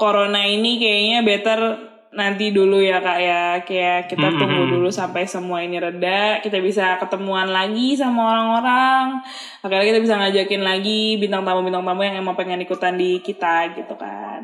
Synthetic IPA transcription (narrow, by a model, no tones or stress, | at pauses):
koɾonainikajaɲabet̪ər | nant̪idulujakaʔjakajaʔkit̪at̪ubudulusampajsəmuainiɾədakit̪abis̬akət̪əmuanlaɡis̬amaoɾaŋoɾaŋ | akarnakit̪abis̬aŋad͡ʒakɪnlaɡibint̪aŋt̪ambubint̪aŋt̪ambuŋjaŋemaŋpəŋənikut̪andikit̪aɡit̪uka̰n